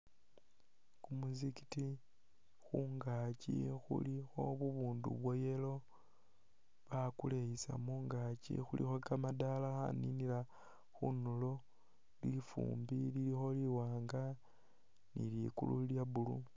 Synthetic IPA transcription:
kumuziki̥ti | xuŋɡacixṵlixo̞βuβuːndṵβwo̞jelo̞ | βakulejisa̰muŋɡacḭxulḭxokamadalaxa̰ninila | xunulo̞ | lifṵːmbililixo̞liwaːŋɡa | nḭljikṵluljaβulu

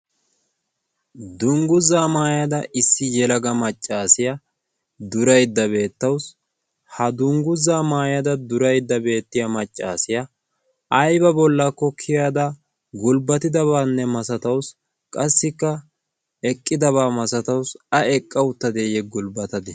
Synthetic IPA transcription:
d̪ʊŋɡʊzaːmaːjɐd̪ɐʔɪsːɪjɛlɐɡɐmɐt͡ʃʼːaːsɪjɐ | d̪ʊɾɐjd̪ːɐβe̞ːt̪ːɐws | hɐd̪ʊŋɡʊzːaːmaːjɐd̪ɐd̪ʊɾɐjd̪ːɐbe̞ːt̪ːɪjɐmɐt͡ʃʼːaːsɪjɐː | jbɐbɔlːakːɔkʰːɪjaːd̪ɐ | ɡʊlbɐt̪ɪd̪ɐβaːnːɛmɐsɐt̪ɐws | kʼɐsːɪkːɐ | ɛkʼːɪd̪ɐβaːmɐsɐt̪ɐwsɐɛkʼːɐwʊt̪ːɐd̪eːjɛɡʊlbɐt̪ɐd̪ɛ

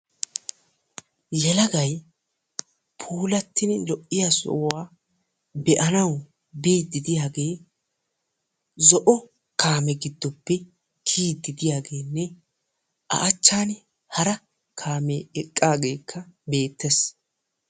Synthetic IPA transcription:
jɛlɐɡɐj | pʰuːlɐt̪ːɪnlɔʔːɪjasɔ̰ʔwaː | bɛʔɐnɐw | biːd̪ɪd̪ɪjaːɡe̞ː | zɔʔɔ | kʰaːmɛɡɪd̪ːɔpːɛ | kʰiːd̪ːɪd̪ɪjaːɡe̞ːnːɛ | ʔɐ̰ʔt͡ʃːaːn | hɐɾɐ | kʰaːmɛɛkʼːaːɡe̞ːkʰːɐbe̞ːt̪ːes

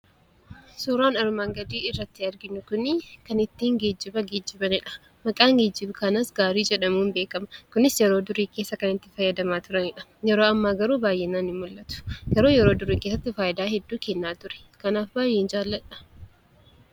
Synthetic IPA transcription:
suːɾaːnɐɾmaːŋɡɐd̪iːɪrːɐt̪ːɪɐɾɡɪnːʊkʊnɪkɐnɪt̪ːiːŋɡeːd͡ʒːɪbɐɡeːd͡ʒːɪbɐnɪᶑɐ̥ | mɐkʼaːŋɡeːd͡ʒːɪbʊkɐnɐsɡaːɾiːd͡ʒɛᶑɐmuːnbe̞ːkɐmɐkʊnɪsjɛɾoːd̪ʊɾiːkeːsːɐkɐnɪt̪ːɪfɐjːɐd̪ɐmaːt̪ʊɾɐnɪᶑɐjɛɾoːɐmːaːɡɐɾuːbaːjʔɛnaːnɪmmʊlːɐt̪ʊ̥ɡ̥ɐɾoːjɛɾoːd̪ʊɾiːkeːs̬ːɐt̪ːɪfaːʔɪd̪aːɦɛd̪ːuːkɛnːaːt̪ʊɾɛ̥ | kɐnaːfbaːjːeːnd͡ʒaːlːɐᶑɐ̥

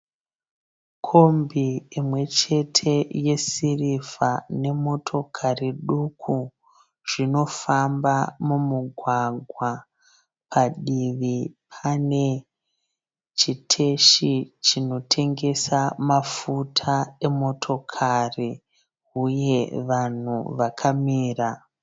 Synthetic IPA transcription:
kʰo̞mbiimwe̞t͡ʃe̞tʰe̞je̞sirifane̞mo̞tʰo̞kʰariɗukʰu | ʐ̥ino̞fambamumuɡʱwaɡʱwa | pʰaɗiʋipʰane̞ | t͡ʃitʰe̞ʃit͡ʃino̞tʰe̞ŋɡe̞samafutʰae̞mo̞tʰo̞kʰari | uje̞ʋan̤ṵʋakʰamiːra

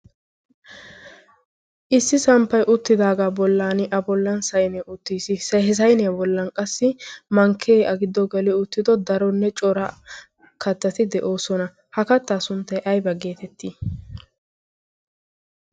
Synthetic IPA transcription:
ʔɪsːɪsɐmpːɐjʔʊt̪ːɪd̪aːɡaːbɔlːaːnɪʔɐbɔlːɐnsɐjnɛʊt̪ːiːsɪsɐɛs̬ɐjnɛbɔlːɐnkʼɐsːɪmɐŋkʰːeːɐɡɪd̪ːɔɡɐlɪʊt̪ːɪd̪ɔd̪ɐɾɔnːɛt͡ʃʼɔɾɐ | kɐt̪ːɐt̪ɪd̪ɛʔo̞ːsɔnɐ | hɐkɐt̪ːaːsʊnt̪ːɐjʔɐjbɐɡe̞ːt̪ɛt̪ːiː

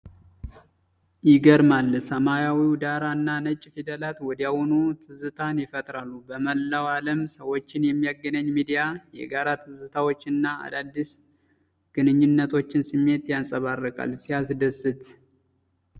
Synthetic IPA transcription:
jɪɡəɾmalːsəmajawid̪aɾanːanət͡ʃʼːfid̪əlat̪wɔd̪jawɔnut̪ʰɨzɨt̪ʰanjɪfət̪ʼɾalːubəməlːawaləmsəwo̞t͡ʃːɪnjɛmːijaɡːənəɲːmid̪ijajɛ̰ɡaɾat̪ʰɨzɨt̪ʰawot͡ʃːnːaa̰d̪ad̪ːis | ɡ̥ɨnɨɲːɪnːət̪ʰo̞t͡ʃːɪnsɨmːe̞t̪jansʼəβarːəkʼa̰lsijasd̪əsːɨt̪

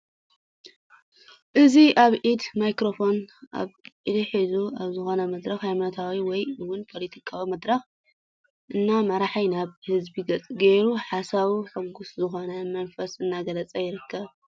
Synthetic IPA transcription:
ʔɨziʔaβʕid̪majkɾo̞fo̞nʔa̰βʕid̪iħizuaβzɨxo̞nɐmɐd̪ɾɐxhajmanot̪ʰawiwɔjɨwʊnpʰo̞let̪ʰikʰawimɐd̪ɾɐx | ʔɨnːamɐɾaħajnaβhɨzbiɡɐt͡sʼɡeɾuħasaβiħuɡʊszɨxo̞nɐmɐnfɐsɨnːaɡɐlɐt͡sʼɐjɪɾɨkʰːɐβ

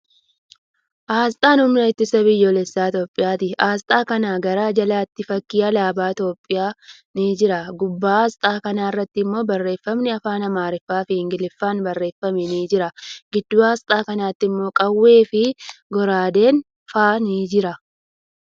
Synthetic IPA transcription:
ʔaːst̪ʼaːnʊmɪnɐɪt̪ːɪsɐbɪjːoːlɛsːaːt̪o̞ːpʼːɪjaːt̪ɪʔaːst̪ʼaːkɐnaːɡɐɾaːd͡ʒɐlaːt̪ːɪfɐkːɪːɐlaːbaːt̪o̞ːpʼːɪjaː | nid͡ʒɪɾɐɡʊbːaːaːst̪ʼaːkɐnaːɪrːɐt̪ːɪɪmːo̞ːbɐrːe̞ːfːɐmnɪɐfaːnɐmaːɾɪfːaːfɪhɪŋɡɪlɪfːaːnbɐrːe̞ːfːɐmɛniːd͡ʒɪɾɐɡɪd̪ːuːaːst̪ʼaːkɐnaːt̪ːɪmːo̞ːkʼɐwːe̞ːfɪɡɔɾaːd̪e̞ːŋ | faːnɪd͡ʒɪɾɐ

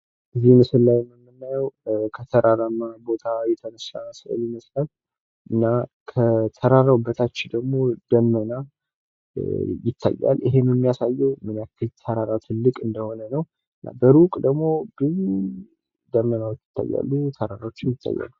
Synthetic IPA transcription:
ʔɨzihmɨsɨllajɛməmːɨnːajɛwkʰət̪ʰəɾaɾamːabo̞t̪ʰajɛt̪ʰəməsaməsə̰ljɪməslal | ʔɨnːakʰət̪ʰəɾaɾawbːət̪ʰat͡ʃːɪd̪əɡmo̞d̪̥əmːəna | jɪt̪ʰːa̰jːa̰lɪɦe̞njɛmːijasajːɛwmɨnjakːɨlt̪ʰəɾaɾat̪ʰɨlːɨkʼɨnd̪əho̞nənəw | ɨnːa̰bəɾukʼd̪əɡmo̞bɨn | d̪əmːənawɛt̪ːɨ̥t̪ʰːa̰jːa̰lːut̪ʰəɾaɾawot͡ʃːɪjɪt̪ʰːa̰jːa̰lːu

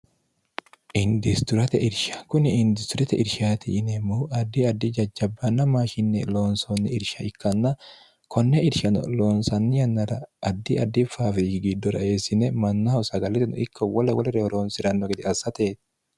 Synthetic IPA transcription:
ʔɪnd̪ɪst̪ʊɾɐt̪ɛ̰ʔɪɾʃɐ̥kʊnɪɪnd̪ɪst̪ʊɾɛt̪ɛʔɪɾʃaːt̪ɪnɛmuːɐd̪ːɪɐd̪ːɪd͡ʒɐd͡ʒːɐbːɐnːɐmaːʃɪnːɛloːnsonːɪɪɾʃɐɪkːɐnːɐ | kʰɔnːɛɪɾʃɐnɔ̰loːnsɐnːɪjɐnːɐɾɐɐd̪ːɪʔɐd̪ːɪfaːfɪɡɪd̪ːɔɾɐ̰eːsɪnɛmɐnːɐhɐwsɐɡɐlɛt̪ɪnɔ̰ɪkːɔwɔlɐwɐlɛɾɛhɔɾoːnsɪɾɐnːɔɡɛd̪ɪɐsɐt̪eːt̪ɪ̥

